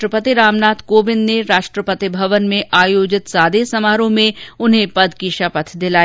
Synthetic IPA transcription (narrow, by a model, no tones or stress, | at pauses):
ɾəpət̪iɾaːmnaːt̪ʰkoːbɪnneɾaːʃʈɾəpət̪ibʱɐʋənmẽʔaːjoːd͡ʒɪt̪saːd̪esɐmaːɾõmẽʊnɦẽpɐd̪kiʃapət̪ʰd̪ɪlaː